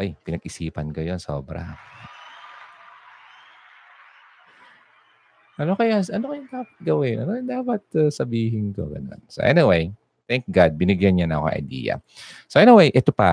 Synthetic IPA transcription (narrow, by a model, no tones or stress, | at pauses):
ojpɪnɐɡʔɪsiːpɐnkɐjo̞nso̰ːbɾɐ̰ | ʔɐnokɐjaʔɐnokɐjʊŋd̪aːpɐt̪̚ɡɐwɪnʔɐnojʊŋd̪aːpɐt̪̚sɐbiːɦɪnk̪o̰ɡɐ̰no̞̰nso̰ʔɛ̰niwej | t̪ɛŋk̚ɡad̪̚bɪnɪɡjɐnɲanɐkoɐ̰ŋʔɐ̰jd̪ḭːjɐ̰soʔɛnɪwejʔɛt̪opɐ